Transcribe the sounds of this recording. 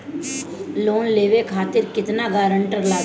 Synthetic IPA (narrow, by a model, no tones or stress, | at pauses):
loːnleːʋekʰaːt̪ɪɾkɪt̪naɡaːɾə̃ɳʈəɾlaː